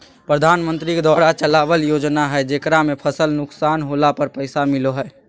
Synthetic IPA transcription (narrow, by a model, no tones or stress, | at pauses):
pɾəd̪ʱaːnmənt̪ɾiked̪aɾat͡ʃəlabəljod͡ʒnaɦɛɛd͡ʒekɾamepʰəsəlnʊksaːnɦolapəɾpəɪsamiloɦɛ